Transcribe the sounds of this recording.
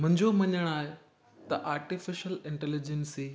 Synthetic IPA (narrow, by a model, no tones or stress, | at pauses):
mʊ̃ɦɪ̃ɲd͡ʑomɐɲəɽ̃aːɦe | t̪ɐʔaːɾʈɪfɪʃəlɪ̃ɳʈɛlɪd͡ʑənsi